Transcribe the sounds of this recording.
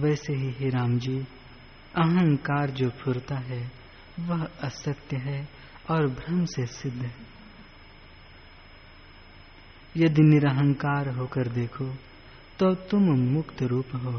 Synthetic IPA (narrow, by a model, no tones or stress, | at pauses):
ʋɛːseɦiɦeɾaːmd͡ʒiː | ɐɦə̃ŋkaːɾd͡ʒoːpʰʊɾt̪aɦɛ | ʋɐɦɐsəkt̪jəɦɛ | ɔːɾbʱɾɐmsesɪd̪ʱː | jɐd̪inɪɾəɦə̃ŋkaːɾɦoːkəɾd̪eːkʰo | t̪oːt̪ʊmmʊkt̪ʰɾuːpɦoː